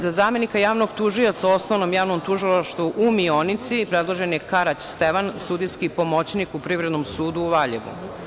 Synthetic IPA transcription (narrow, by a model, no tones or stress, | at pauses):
zazaːme̞nikajaːʋno̞ɡt̪uʒio̞t̪saosnoʋnomjaːʋnomt̪uʒilˠaʃt̪ʋuʔumionit̪sipɾed̪lˠo̞ʒenjekaɾat͡ɕst̪eʋansud̪ijskipo̞mo̞t͡ɕnikupɾiʋvɾe̞d̪nomsuːd̪uːʋaʎḛʋṵ